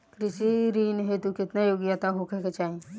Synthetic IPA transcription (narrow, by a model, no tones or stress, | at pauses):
kɾɪʃiɾiːnɦet̪ukɪt̪najoːɡjat̪aɦokeket͡ʃaːɦẽ